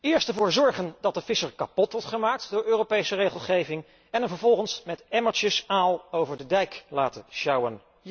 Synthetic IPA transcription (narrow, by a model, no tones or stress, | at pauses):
ɪːɹstɛɹvʊːɹzɔɹχəndɑt̚dəfɪsəɹkɑpɔtʋɔɹtχəmaːk̚tdʊːɹøːropejsərejχəlˠχejvɪŋ | ɛnənvəɹvɔlˠχənsmɛtɛmət͡ʃəsaːlˠowvəɹdədɛjklaːtəʃɑwən